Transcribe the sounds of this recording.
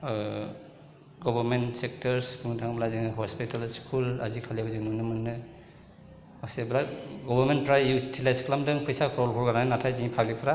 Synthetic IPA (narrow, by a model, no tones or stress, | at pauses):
ɡɔbɔɾmentsek̚tɔɾspʰuŋtʰaŋblaziŋɯɦɔspitalskʰulazikʰaliabzinunɯmanːɯ | akseblaɡɔbaɾmentpʰɾajjutʰilajskʰlamdɯŋpʰɯjsakʰɾɔlkʰɔɾɡaɾaŋnatʰajziipʰabipʰɾa